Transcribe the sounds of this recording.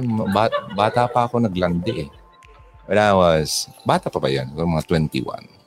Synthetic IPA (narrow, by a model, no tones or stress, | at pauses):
babaːt̪apaʔɐkonɐɡland̪ɪʔɛ | wɛlawasbaːt̪aʔpapajonkɾŋmɐŋat̪wɛnt̪ḭwa̰n